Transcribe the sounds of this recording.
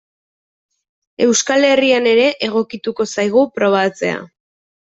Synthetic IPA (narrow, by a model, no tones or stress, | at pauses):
e̞wskale̞riane̞ɾe̞ʔeɣo̞kit̪uko̞sajɣ̞upɾo̞β̞at͡se̞a̰